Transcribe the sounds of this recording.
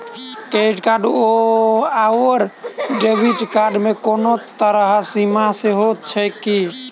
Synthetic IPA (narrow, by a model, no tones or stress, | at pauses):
keʈkaɾɖoawəɾɖebʱiʈkaɾɖmekonot̪əɾəɦsimaseɦot̪̚t͡ʃʰəjki